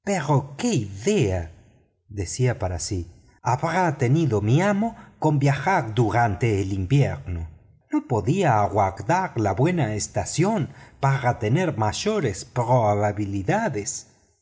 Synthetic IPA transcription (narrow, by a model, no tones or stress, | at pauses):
peɾokeiðea | ðesiapaɾasi | aβɾat̪eniðomiamokombjaxaɾd̪uɾant̪eːlimbjeɾno | nopoðiaːɣwakd̪aɾlaβwenaest̪asjonpaɾat̪eneɾmaʃoɾespɾoβaβaβiliðaðes